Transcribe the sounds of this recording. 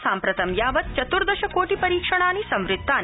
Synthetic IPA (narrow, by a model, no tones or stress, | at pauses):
saːmpɾɐt̪ɐmjaːʋɐt̪̚t͡ʃɐt̪uɾd̪ɐʃɐkoːʈipɐɾiːkʂɐɳ̃aːnisɐ̃mʋɾɪt̪ːaːn